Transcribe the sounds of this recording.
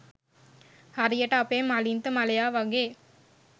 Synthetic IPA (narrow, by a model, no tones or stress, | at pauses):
hɐɾijɐʈaːpeːmɐlint̪ɯmɐlɐjaːʋɐɡeː